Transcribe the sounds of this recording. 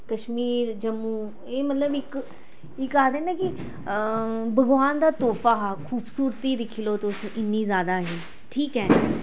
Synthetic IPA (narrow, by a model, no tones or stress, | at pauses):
kəʃmiːɾd͡ʒəmũː | eːmət̪ləbɪk | ɪkːaːd̪ẽːnãːkɪ | bəɡʋaːnd̪aːt̪oːfʰaːɦakʰuːbsuːɾt̪iːd̪ɪkʰiloːt̪ʊsʔɪnːiːzjaːd̪aːɦiː | ʈʰiːkɦɛː